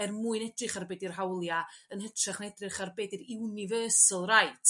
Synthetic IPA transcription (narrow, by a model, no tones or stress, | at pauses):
ɛrmuːɨnɛdrɪχarbeːdirɦawlˠjaənhətʰraχnɛdrɪχarbeːdiɾɪwnɪvəːsəlˠrajtʰ